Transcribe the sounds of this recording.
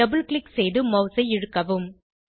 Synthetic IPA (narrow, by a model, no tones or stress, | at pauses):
ɐbɯlkɭɪksɛjðɯmɐʊsɐɪɪɻɯkːɐʋɯm